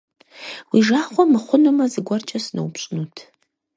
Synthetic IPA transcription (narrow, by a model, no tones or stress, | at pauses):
wiʐaːχʷɔmɨχʷʊnɨmɐzɨɡʷart͡ʃʼɐsnɨ̰wpʰɕʷʼnutʰ